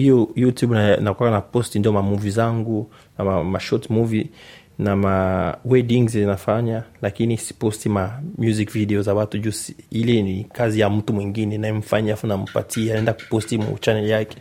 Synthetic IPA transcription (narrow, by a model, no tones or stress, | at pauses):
ijɔjutjubanakwakanapɔstindijɔmamuvizaŋɡu | naamaʃɔtmuvi | namawɛdiŋzzinafaɲalakinisi̥pɔstimamjuzikvidɛɔzawatud͡ʒusiilɛnikazijam̩tumwiŋɡinɛnajɛm̩faɲafunam̩pa̰tʰianaɛndaku̥pɔstimṵt͡ʃanɛljakɛ̥